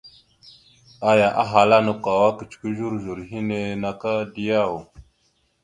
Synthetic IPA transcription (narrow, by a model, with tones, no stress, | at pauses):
a˦ja˨ʔa˦ɦa˨la˦nə˨kʷa˨wa˦kə˨t͡ʃkʷi˦ʒu˦ɾʒu˨ɾɦi˦ne˨na˨ka˦di˦ja˦˨wo˨